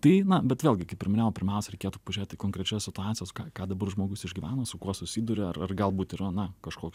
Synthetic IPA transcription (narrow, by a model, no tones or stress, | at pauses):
t̪ɐɪnɐbʲɛt̪ʋʲeːlʲɡʲɪkɐɪpʲɪɾɪmʲɪnʲeːʋoːpʲɪɾʲmʲɛʊsʲɛɾʲɛɪkʲeɛt̪uːpɐʋɐʒʲeːt̪ʲɪkoːŋkɾʲɛt͡ʃʲɛssʲɪt̪ʊɑːt̪sʲɪjoːskɑːkɑːd̪ɐbɐrʒmoːɡʊsɪʒʲɡʲiʋʲæːnoːsʊkuɔsʊsʲiːd̪ʊɾʲɪɐrɐrɡɐlˠbuːt̪ɪɾɐnɐkɐʃkoːkʲ